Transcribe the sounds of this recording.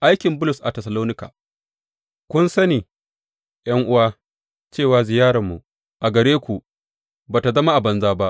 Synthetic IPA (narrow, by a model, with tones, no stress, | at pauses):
ʔa˦jkʲɪ˨mbʊ˦lʊ˨sʔa˨tɛ˨sɐ˨loː˦nɪ˦ka̰ː˨ | kʷʊ˦nsɐ˦niː˨ | j̰ɐ˦ŋʔʊ˦waː˦ | t͡ʃeː˦˨waː˨zɪ˨jaː˦ɽɐ˨mːu˨ | ʔa˨ɡɐ˨ɽeː˦kʷu˨ | baː˨ta˨zɐ˦ma˦ʔa˨bɐ˨nzaː˦ba˦ʔ